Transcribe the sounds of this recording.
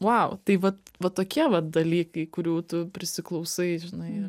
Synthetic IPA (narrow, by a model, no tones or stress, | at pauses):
ʋaʊt̪ɐɪʋɐt̪ʋɐt̪oːkʲiɛʋɐtd̪ɐlʲiːkɐɪkʊɾʲuːt̪ʊpʲɾʲɪsʲɪklˠɐʊsɐɪʒʲɪnɐɪɪɾ